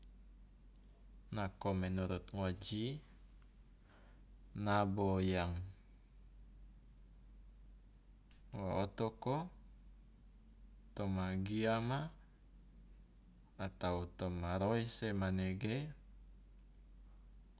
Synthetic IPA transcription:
nakomɛnuɾut̪̚ŋod͡ʒi | nabojaŋ | waot̪oko | t̪ɔmaɡiama | t̪aut̪ɔmaɾoisɛmanɛɡe

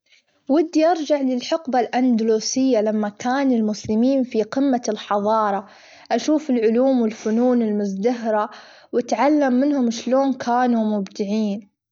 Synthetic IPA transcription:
wɪd̪ːiʔɑɾˤd͡ʒaʕlɪlħʊqbalʔand̪luːsɪjːalamːakaːnɪlmʊslɪmiːnfiqɪmːalħɑðˤɑːɾˤɑ | ʔaʃuːfɪlʕʊluːmwɪlfʊnuːnɪlmʊzd̪aɦɾa | wat̪ʕalːamːɪnhʊmʃloːnkʰaːnumʊbd̪ɪʕiːn

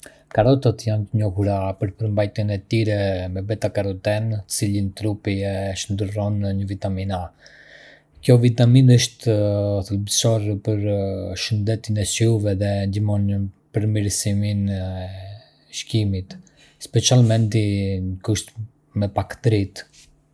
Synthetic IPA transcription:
kaɾɔt̪at̪jant̪əɲɔhuɾapəɾpəɾmbajt̪jənɛt̪iɾɛmɛbɛt̪akaɾɔt̪ɛnt̪ə̥t͡silint̪ɾupiɛʃənd̪ərɔnɲəvit̪amina | kjɔvit̪aminəʃt̪θəlbsɔrpəɾʃənd̪ɛt̪inɛsuvɛðɛnd̪imɔnə | pəɾmiɾsiminɛ | ʃkimit̪ | spɛt͡sialmɛnt̪iəkuʃt̪ | mɛpakt̪ɾit̪

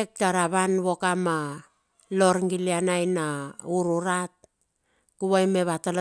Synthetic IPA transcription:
ek̚taɾaβanβo̞kama | lo̞ɾŋɡilianajnauɾuɾat̚ | kuβajme̞βatal

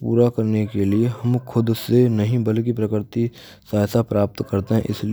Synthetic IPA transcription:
pṵːɾakɐɾnekelieɦɐmkʰʊd̪senɐɦĩbɐlk̬ipɾɐkɾt̪i | saːsapɾaːp̚t̪kɐɾt̪eɦɛ̃ʔɪsli

